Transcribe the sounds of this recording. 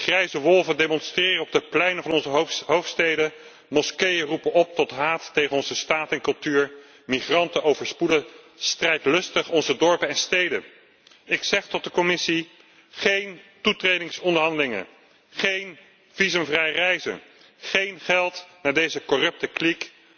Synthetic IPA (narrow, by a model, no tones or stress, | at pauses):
χrɛjzəʋɔlˠvəndejmɔnstrɪːrənɔb̚dəplɛjnənvɑnɔnzəɦowftstejdə | mɔskejərupənɔp̚tɔtɦaːtːejχənɔnzəstaːtɛnkɵlˠtyːɹ | miχrɑntənowvəɹspudə | strɛjtlɵstəχɔnzədɔɹpənɛnstejdən | ɪksɛχtɔt̚dəkɔmɪsi | χejntutrejdɪŋsɔndəɹɦɑndəlɪŋə̰n | χejn | v̥izəmvrɛjərɛjzə̰n | χejnχɛlˠtnaːɹdejzəkɔrɵp̚təklik